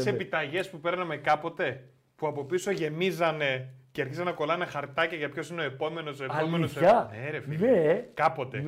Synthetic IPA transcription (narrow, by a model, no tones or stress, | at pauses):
sepit̪ɐʝe̞spupe̞ɾnɐme̞kɐpo̞t̪e̞ | puɐpo̞piso̞ʝe̞mizɐne̞ceɐɾçizɐnɐkolɐnexɐɾt̪ɐcɐʝɐpço̞sineo̞e̞po̞me̞nosoeɐomenosɐneɾefiekɐpo̞t̪e̞